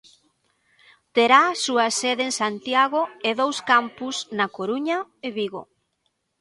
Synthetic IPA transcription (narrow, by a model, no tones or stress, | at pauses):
t̪eɾasuɐseðeːŋsant̪jaɣoeðowskampusnɐkoɾuɲɐeβiɣo̰